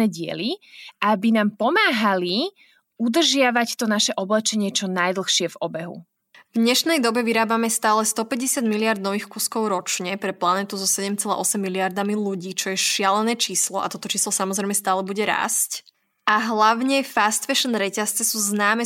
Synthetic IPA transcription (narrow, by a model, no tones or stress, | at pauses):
ɛɟɪɛ̰liʔabinaːmpɔmaːɦali | ud̪r̩ʒɪaʋact̪ɔnaʃɛʔɔblɛt͡ʃɛɲɪɛt͡ʃɔnajd̪l̩xʃɪɛvɔbɛɦṵ | vɲɛʃnɛjd̪ɔbɛʋiɾaːbamɛst̪aːlɛst̪ɔpɛɟɛsɪad̪miliaɾd̪nɔʋiːxkuːskɔʊɾɔt͡ʃɲɛpɾɛplanɛt̪uzɔsɛɟɛmt͡sɛla̰ʔɔsɛmːiliaɾd̪amiluɟiːt͡ʃɔjɛʃɪalɛnɛːt͡ʃiːslɔʔa̰t̪ɔt̪ɔt͡ʃiːslɔsamɔzɾɛɪmɛst̪aːlɛbuɟɛɾa̰sc | ʔaɦlaʊɲɛfast̪fɛʃɔnɾɛcast͡sɛsuːznaːmɛ